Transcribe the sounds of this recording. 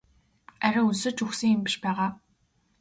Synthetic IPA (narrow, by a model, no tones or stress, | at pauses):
æɾʲăusɵ̆t͡ɕuxsɘ̆ŋimpĭ̥ʃpæːʁaː